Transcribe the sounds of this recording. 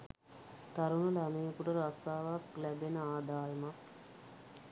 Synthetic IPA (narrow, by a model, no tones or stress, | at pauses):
t̪aɾunəlamejəkuʈəɾasaːʋaklæbenəaːd̪aːjəmak